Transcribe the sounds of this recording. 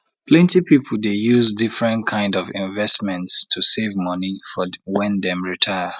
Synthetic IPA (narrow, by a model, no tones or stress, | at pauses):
pʰlɛ̃ntipipʰəl̩dejuzdifɹɛ̃nkʰãɪ̃ndɔvĩɱvɛstmɛ̃ntstʰusevmʌnifɔwɛ̃ndɛ̃mɹitʰaɪə